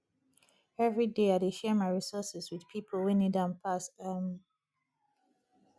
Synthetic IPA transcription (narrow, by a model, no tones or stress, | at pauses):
ɛvɹideaɪdeʃɛmaɪɹisɔsɪswɪð̥pʰipʰəlˠwɛ̃nidãnpʰasam